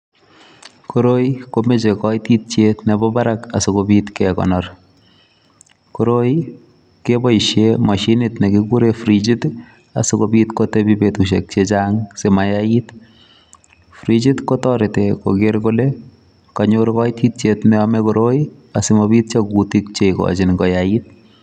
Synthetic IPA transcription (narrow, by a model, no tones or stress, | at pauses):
koɾojkomet͡ʃekɔjitit̚t͡ʃetnɛbɔbaɾakasokobitkɛkɔ̰nɔr | koɾoj | kebɔiʃjemaʃinɪtnekikuɾefɾit͡ʃit | a̰sɪkobitkotebibetuʃek̚t͡ʃet͡ʃaŋsemajait | fɾit͡ʃitkotɔɾɪteko̰ɡeɾkole | kaɲʊɾkɔitit̚t͡ʃetnɛamɛkoɾoi | asɪmɔbiːt̚t͡ʃekutik̚t͡ʃekɔ̰t͡ʃɪnkɔjait̚